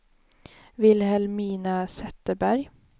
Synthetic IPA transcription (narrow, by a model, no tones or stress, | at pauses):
vɪlhɛlmiːnasɛt̪ːəbæɾj